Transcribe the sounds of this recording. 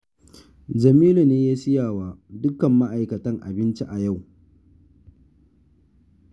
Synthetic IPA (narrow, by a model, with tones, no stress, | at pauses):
d͡ʒɐ˨miː˦lu˨neː˦jaː˦sɪ˦jaː˨waː˨dʊ˦kɐ˨mːa˦ʔa˨jkɐ˨tɐ˦ŋʔa̰˨bɪ˦nt͡ʃi˦ʔa˨ja˦˨w